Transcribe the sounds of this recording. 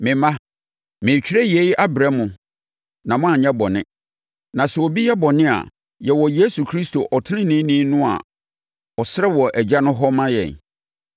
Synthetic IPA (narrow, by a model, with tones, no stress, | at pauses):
mɪ̃˨mã˦ | mɪ̃˨t͡ɕᶣɾɛ˦je˨˦i˦ʔa˦bɾɛ˦mʊ̃˨ | nã˨mʊ̃˦a˨ɲɛ̃˦bɔ˨nɪ̰̃˦ | nã˨sɛ˨wɔ˨bi˦jɛ˦bɔ˨nɪ̃˦a̰˨ | jɛ˨wɔ˨je˦su˨kʰɾi˦sto˨ʔɔ˨tʰɪ˦nɪ̃˦nĩ˦nĩ˦nʊ̃˦a̰˨ | ɔ˨sɪ˦ɾɛ˦wɔ˨ʔæ˨d͡ʑa˦nʊ̃˦ɦɔ˦mã˦jɛ̰˨n